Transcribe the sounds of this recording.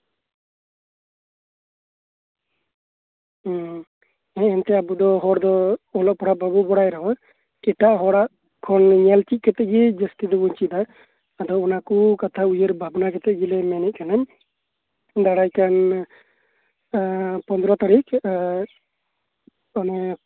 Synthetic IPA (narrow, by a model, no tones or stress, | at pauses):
ɛ̃ɛnt̪ɛabud̪ɔɦɔɽd̪ɔɔlɔʔpɔɽababubɔɽajɾawa | ɛʈaʔɦɔɽaʔ | kʰɔnɲɛlt͡ʃit̪̚kɛt̪ɛʔɡɛd͡ʒəsʈid̪ɔbuɲt͡ʃid̪aː | d̪ɔɔnakukat̪ʰaujəɾbʱabnakɛt̪ɛʔɡɛlɛmɛnɛʔ̪̚kanam | d̪aɽajkan | pɔnd̪ɾɔt̪aɾik | ɔnɛ